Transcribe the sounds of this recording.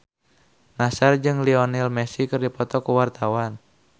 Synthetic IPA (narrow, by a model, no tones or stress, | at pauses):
nasard͡ʒɨŋliɔnilmɛsikɨrdipɔt̪ɔkuwart̪awan